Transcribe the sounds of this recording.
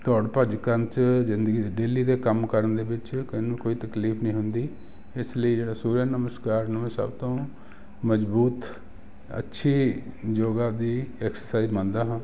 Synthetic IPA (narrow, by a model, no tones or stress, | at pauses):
t̪ɔːɽpəd͡ʒkənt͡ʃzɪnd̪əɡiːd̪eːɖeːliːd̪eːkəmkəɾənd̪eːbɪt͡ʃkəinũːkoːiːt̪əkliːpʰnəĩːɦʊnd̪iː | ɪsləiːd͡ʒeːɽaːsuːɾjaːnəməskaːɾnəmẽsə̰bt̪õː | məzbuːt̪ | ə̰tːʃʰiː | d͡ʒoːɡaːd̪iːɛːksəɾsaːizmə̃nd̪aːɦãː